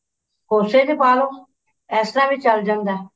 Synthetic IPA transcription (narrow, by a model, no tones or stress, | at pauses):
koːseːd̪eːpaːɾõː | ɛːsɾãːʋiːt͡ʃəld͡ʒãːnd̪ɛː